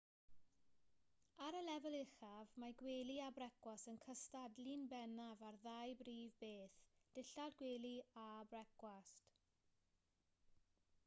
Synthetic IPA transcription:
aɾəlɛvəlˠɪχavmaɡweːliabrɛkwasənkʰəstadlɨnbɛnavarðajbriːvbeːθd̥ɪɬadɡweːlˠiabrɛkwast

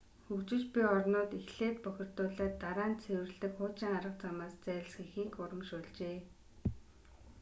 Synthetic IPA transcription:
xɵkt͡ɕɪ̆t͡ɕpʲiɔrnʊːt̪ixɮeːt̪̚pɔxʲɪ̆r̥t̪ʊːɮaːt̪ːaɾaːnt͡sʰewɘ̆rɮɘ̆kχʊːt͡ɕiːŋaɾə̆q̚t͡samaːst͡sæːsxĭxiːkʊɾə̆mʃʊːɮt͡ɕeː

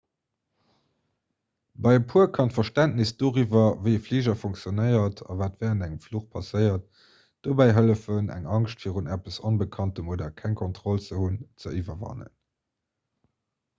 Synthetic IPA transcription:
bɑɪəpʰuəkʰɑntfɐʃtæntnisd̥oːʁivɐvəɪəfliːʒɐfoŋk̚t͡sjonəɪɐtʰɑ̰vaːtvɛːʁəndæŋəmfluχpʰɑsəɪɐt | d̥oːbæɪɦələfənæ̰ŋɑŋʃtfiːʁunæpəsonbəkʰɑntəmoːdɐkʰæŋkʰɔntʁ̥olt͡səhunt͡səʔivɐvɑ̰nə̰n

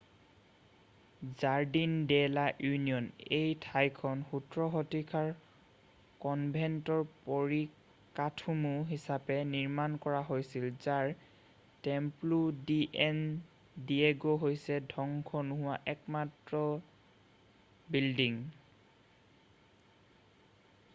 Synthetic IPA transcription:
zaɹdindɛlaʔjuniɔnejtʰajkʰɔnxutɹɔɦɔtikʰaɹ | kɔnbʱɛntɔɹpoɹi | katʰumuɦisapɛniɹmankɔɹaɦojsilzaɹ | tɛmpludiʔɛn | dieɡoɦojsɛdʱɔŋkʰɔnʊɦʊwaʔɛkmatɹɔ | bildiŋ

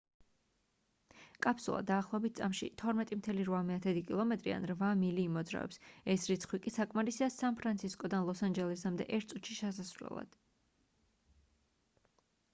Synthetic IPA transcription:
kʼapʰsulˠa̰d̪aːχlˠɔɛbit̪̚sʼamʃḭt̪ʰɔɾmɛt̪ʼimt̪ʰɛliɾvamɛat̪ʰɛd̪ikʼilˠɔmɛt̪ʼɾḭa̰nɾvamiliːmɔd̪zɾa̰vɛ̰psɛsɾit̪sʰχwikʼisakʼmaɾisiasanpʰɾant̪sʰiskʼɔd̪anlˠɔsand͡ʒɛlɛsamd̪ɛ̰ʔɛɾt̪̚ʰsʼut̪ʃiʃɛsasvlɛ̰lˠa̰d̪̥

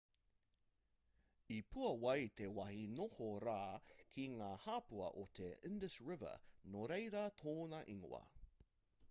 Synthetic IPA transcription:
ipʰuɐwɐjt̪ewɐhinohoɾaːkʰiŋaːhaːpuɐ̰ʔot̪ʰeɪndəsɹɪvə̰noɾejɾɐt̪ʰoːnɐʔiŋo̰ɐ̰

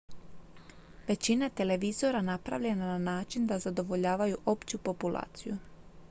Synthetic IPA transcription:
ʋe̞t͡ɕinat̪e̞le̞ʋizo̞ɾanapɾa̰ʋʎe̞nananaːt͡ʃind̪azad̪o̞ʋo̞ʎaːʋajuʔo̞pt͡ɕupo̞pulˠa̰ːt̪siju

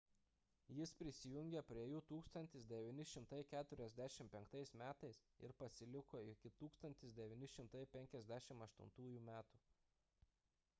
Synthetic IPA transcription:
jɪspʲɾʲɪsʲɪjʊŋʲɡʲepʲɾʲiɛjuːt̪uːkst̪ɐnt̪ʲɪsd̪ʲɛʋʲiːnʲɪʃʲɪmt̪ɐɪkʲæːt̪ʊɾʲɛzʲd̪ʲæʃʲɪmpʲɛŋkt̪ɐɪsmʲæːt̪ɐɪsɪ̰ɾpɐsʲɪlʲɪkoːɪkʲɪt̪uːkst̪ɐnʲt̪ʲɪsd̪ʲɛʋʲiːnʲɪʃʲɪmt̪ɐɪpʲɛŋʲkʲɛzʲd̪ʲæʃʲɪmɐʃt̪ʊ̰nt̪uːjuːmʲæːt̪u

